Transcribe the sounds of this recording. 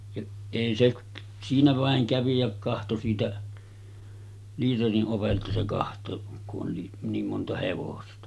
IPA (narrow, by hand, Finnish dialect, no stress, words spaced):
jɑ eˑi se k siːnæ ʋɑˑeŋ kæʋi jæ kɑhto siːtæ liːteriʔ ʔoʋeltɑ se kɑhtˑoˑek kuʔ ʔon ni niːm montɑ heʋostɑ